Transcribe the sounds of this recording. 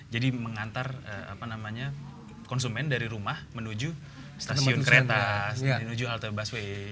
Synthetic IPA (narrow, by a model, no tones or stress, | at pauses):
d͡ʒadiməŋant̪arə̰a̰panamaɲa | kɔnsumɛndaɾiɾumahmənud͡ʒu | st̪assiʊnkəɾet̪asənud͡ʒuɦalt̪əbaswe